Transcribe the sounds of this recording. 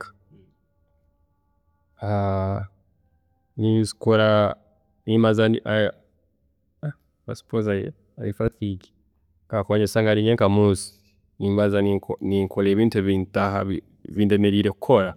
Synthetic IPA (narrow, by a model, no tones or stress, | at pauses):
ḁ | a | nisikoɾa | nimazaniʔa | asi̥poza | aifaθiki̥ | ŋɡakooɲesaŋɡaɾiɲeŋkamuːsi̥ | nimβazanikniŋkʰoleːβiːntueβiːntaɦaβi | βiːndemeɾiːɾekukʰoɾa